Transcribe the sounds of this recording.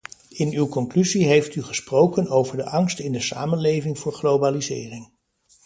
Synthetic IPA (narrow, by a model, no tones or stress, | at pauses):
ɪnywkɔŋklyziɦejftyχəsprowkənowvəɹdəʔɑŋstɪndəsa̰ːmənlejvɪŋvʊːɹχlowbaːlizɪ̰ːrɪŋ